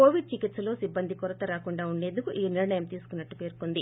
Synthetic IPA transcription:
koːʋiɖ̚t͡ʃikit̪sɐlo̞ːsibːɐnd̪ʱikɔɾɐt̪ɐɾaːkuɳɖaːuɳɖe̞ːnd̪ukuʔiːniɾɐɳɐjɐmt̪iːsu̥kunːɐʈːupe̞ːɾkond̪i

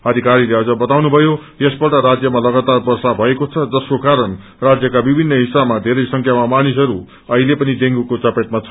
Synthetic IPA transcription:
ʌd̪ʱikaɾileʌd͡zʌbʌt̪awnubʱʌjojesbʌʈʌɾad͡zjʌmalʌɡat̪arbʌrsabʱʌekot͡sʰʌd͡zʌskokaɾʌn | rad͡zjʌkabibʱinːʌɦisabmad̪ʱeɾʌjsʌŋkʰjamamanisʌɾu | ʌɦilepʌnid̪eŋɡukot͡sʌpet̪mat͡sʰʌ

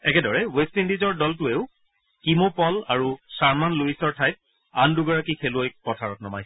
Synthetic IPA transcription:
ɛkɛdɔɹɛwestindizɔɹdɔltʊeʊ | kimopɔla̰ɹusaɹmanluisɔɹtʰajt̚ | anduɡɔɹakikʰeluojpɔtʰaɹɔtnɔmaj

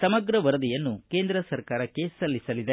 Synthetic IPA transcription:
sɐmɐɡɾɐʋɐɾɐd̪ijɐnːukeːnd̪ɾɐsɐɾkaːɾɐkːe̞sɐlːisɐlid̪e

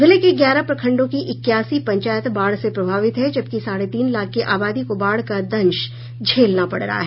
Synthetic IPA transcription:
bʱɪlekeɡjaːɾapɾɐkʰɐ̃ɳɖõkiʔɪkːjaːsipɐ̃ɲt͡ʃaːjət̪baːɽsepɾɐbʱaːʋɪt̪ɦɛd͡ʒɐb̚kisaːɾet̪iːnlaːk̚ʰkːeʔaːbaːd̪ikobaːɽkad̪ɐ̃nʃ | d͡ʒʱeːlnapɐɽɾɐ̰a̰ɦɛ

